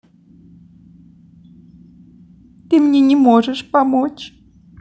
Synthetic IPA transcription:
t̪ɨmɲʲeɲʲɪmoʐəʂpamot͡ʃ

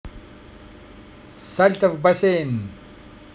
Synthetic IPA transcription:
sɐlt̪ɐfbɐseːn

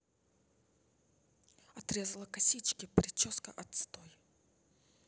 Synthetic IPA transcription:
ɐt̪ɾʲezəlˠəkɐsʲit͡ɕkʲɪpɾʲɪt͡ɕoskəʔɐt̪st̪oj

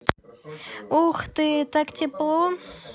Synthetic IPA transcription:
uχt̪ɨt̪akt̪ʲiplˠo

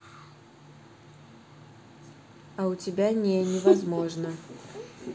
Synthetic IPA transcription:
ɐwt͡sʲɪbʲanʲɛnʲɛvazmɔʐnɐ

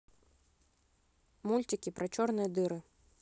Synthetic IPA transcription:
mulʲtʲɪkʲɪpɾɐt͡ɕɔrnɨjəd̪ɨɾɨ

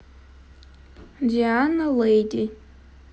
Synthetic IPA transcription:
d͡ʒianalejtʼi

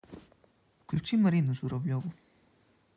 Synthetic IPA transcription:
fklʲut͡ʃimɐɾinuzuɾɐvlʲɔvʊ

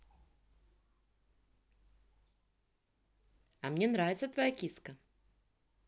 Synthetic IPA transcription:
ɐmnʲenɾavʲɪt̪sət̪vɐjakʲiskə

